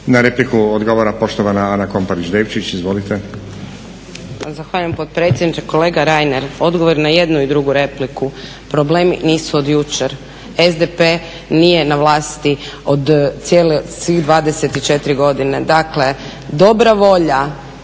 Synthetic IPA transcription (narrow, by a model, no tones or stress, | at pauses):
naɾeplikuod̪ɡoʋoɾapo̞ʃt̪oʋanaanako̞mpaɾit͡ʃd̪eːʋt͡ʃit͡ʃizʋo̞lit̪e | zaxʋaːʎujempo̞dt̪̚pɾe̞t̪sʲjed̪nit͡ʃeko̞le̞ːɡaɾajne̞ɾo̞d̪ɡo̞ʋo̞ɾinaje̞d̪nuid̪ɾuɡuɾe̞pliku | pɾo̞ble̞ːmḭniːsuod̪jut͡ʃeɾ | ezd̪epe | nije̞naʋlˠaːst̪io̞d̪sjelesʋiɣd̪ʋaːd̪e̞set̪it͡ʃe̞t̪ɾiɡo̞d̪ine̞d̪akle̞ | d̪o̞bɾaʋo̞ʎa